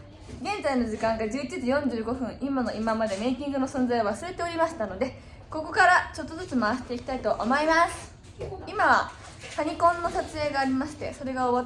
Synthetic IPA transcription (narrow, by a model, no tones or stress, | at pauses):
ɡẽ̞nd͡zaino̞ʑikãŋɡad͡ʑɨːit͡ɕiʑijõ̞ɲ̟d͡ʑɨːɡo̞ɸɯ̟̃ɰ̃ʔimono̞imamad̪e̞me̞ikʲĩŋɡɯno̞sõ̞nzaijo̞βasɨɾe̞t̪e̞oɾʲimaɕi̥t̪ano̞d̪e̞ | ko̞ko̞kaɾat͡ɕo̞t̪ːozɨt͡sɨmaβaɕi̥t̪e̞ikʲi̥t̪ait̪o̞ʔomo̞imasɨ̥ | imaβa̰ | kaɲ̟ikõ̞nːo̞sat͡sɨe̞ːɡaːɾʲimaɕi̥t̪e̞̰so̞ɾe̞ɡaoβa